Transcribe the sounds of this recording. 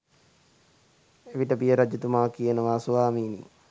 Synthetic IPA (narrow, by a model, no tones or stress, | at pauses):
eʋiʈəbijəɾad͡ʒɐt̪umaːkijənəʋasoʋaːmiːnḭ